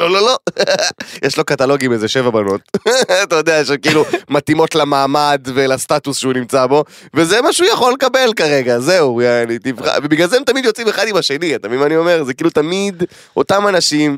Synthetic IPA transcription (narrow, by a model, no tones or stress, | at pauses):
lololo̞ | jeʃlo̞kat̪alo̞ɡimezeʃe̞vabano̞tatajod̪eajeʃakiilumat̪imo̞tlamaːmad̪velast̪at̪usʃeunimt͡sabo̞ | vezemaʃujaχo̞lekabe̞lkaʁe̞ɡazeuanit̪ivχa̰vebiɡlazeemt̪amid̪jot͡sime̞χad̪imaʃe̞niat̪amimanio̞me̞ʁzekiilut̪amid̪ | ʔo̞tamanaʃim